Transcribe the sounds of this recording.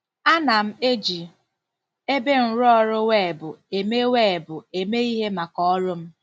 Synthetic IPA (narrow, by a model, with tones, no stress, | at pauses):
a˦na˨m̩˦e˦d͡ʒi˨ | e˦be˦n̩˨ɾʊ˦ɔ˦ɾʊ˦we˦˨bʊ˨e˨me˦we˦˨bʊ˨e˨me˦i˦ɦe˦ma˨kɔ˦ɔ˦ɾʊ˦m̩˦